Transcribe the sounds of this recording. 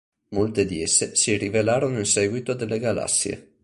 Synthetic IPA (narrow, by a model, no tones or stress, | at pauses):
molt̪ed̪iesːesirivelaːɾonoinsɛːɡwit̪od̪elːeɡala̰sːjḛ